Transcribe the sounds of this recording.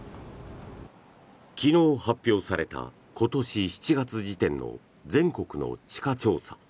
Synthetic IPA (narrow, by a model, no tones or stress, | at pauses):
kʲino̞ːhapʲːjo̞ːsaɾe̞t̪a̰ | ko̞t̪o̞ɕiçi̥t͡ɕiɡat͡sɨʑit̪ẽ̞nːo̞̰ | d͡zẽ̞ŋko̞kɯ̟no̞̰t͡ɕi̥kat͡ɕo̞ːsḁ̰